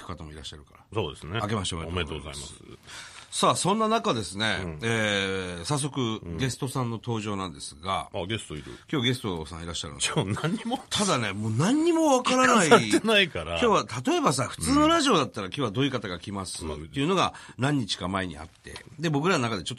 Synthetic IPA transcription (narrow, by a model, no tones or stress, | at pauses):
kɯ̟̥kat̪amo̞iɾaɕːaɾɯ̟kaɾasoːd̪esneake̞maɕomet̪ooa̰ma̰sɨsaːsõ̞nːanakad̪e̞sɨne̞eːsas̬ːo̞kɯ̟ɡe̞sɨ̥t̪o̞sãnːo̞t̪o̞ːʑo̞ːnãnd̪esɨɡa̰ɡe̞st̪oiɾɯ̰kʲo̞ːaɡe̞sɨ̥t̪o̞sã̰iɾaɕːaɾɯ̰nonãɲ̟ːimot̪ʰad̪ane̞mo̞ːnãɲ̟ːimo̞βakaɾanaienaikaɾakjooːβat̪ʰat̪o̞e̞bas̬aɸɯ̟̥t͡sɨːno̞ɾaʑio̞d̪at̪ːaɾakʲoːβad̪o̞ikat̪aɡakʲimasɨ̰t̪ːe̞iɯ̟no̞ɡanãɲ̟ːit͡ɕi̥kamae̞ɲ̟ḭa̰t̪ːe̞̰d̪e̞bo̞k̬ɯ̟ɾanonakad̪e̞t͡ɕo̞t̪ːo